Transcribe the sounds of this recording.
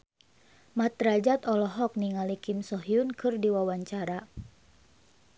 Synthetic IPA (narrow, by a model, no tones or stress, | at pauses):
mat̪ɾad͡ʒat̪ɔlɔɦɔk̚niŋalikimsɔɦiunkɨrdiwawaɲt͡ʃaɾa